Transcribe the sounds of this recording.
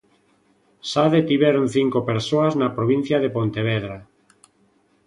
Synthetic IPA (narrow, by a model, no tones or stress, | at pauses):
saðet̪iβɛɾon̟θiŋkopeɾsoaznapɾoβin̟θjaðepont̪eβ̞ɛðɾa